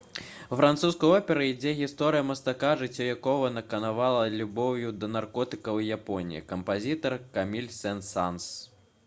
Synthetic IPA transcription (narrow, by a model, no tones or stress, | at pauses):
fɾant̪suskɐjɔpʲɛɾɐid͡zʲɛɣʲist̪ɔɾɨjɐmɐst̪akaʐɨt͡sʲːɔjakɔvɐnɐkɐnavalˠɐlʲubɔwjud̪ɐnarkɔt̪ɨkɐwjapɔnʲḭjḭkɐmpazʲit̪ɐrkamʲilʲsɛnsans